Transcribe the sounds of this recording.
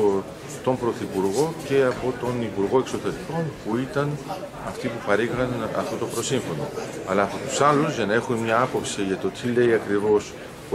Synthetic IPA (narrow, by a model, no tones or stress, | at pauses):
t̪o̞mpɾo̞θipuɾɣo̞ce̞ɐpo̞t̪o̞nipuɾɣo̞e̞kso̞t̪e̞ɾiko̞npuit̪ɐn | ɐft̪ipupɐɾiɣɐnɐ̰ft̪o̞t̪o̞pɾo̞siɱfo̞no̞ɐlɐːpo̞t̪u̥sɐluzʝɐnɐe̞xumemɲɐɐpo̞psiʝɐt̪o̞t̪ʰile̞iɐkɾivo̞s